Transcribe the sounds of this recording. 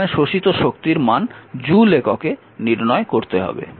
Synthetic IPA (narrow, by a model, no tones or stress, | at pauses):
eʃoʃit̪oʃokt̪iɾmand͡ʑulekoke | niɾnɔekoɾt̪eɦɔ̰bḛ